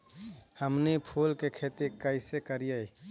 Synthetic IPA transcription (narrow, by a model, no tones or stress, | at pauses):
həmnipʰuːlkekʰet̪ikəɪsekəɾijəi